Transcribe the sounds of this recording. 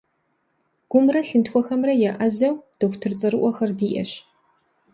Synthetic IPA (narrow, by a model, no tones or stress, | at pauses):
ɡ̥ʷʊmrɐɬɨntxʷɔxɐmrɐjaʔɐzɐwd̥oxʷtʰɨrt͡sʼɐɾɨʔʷɔxɐrdiːʔɐ̰ɕ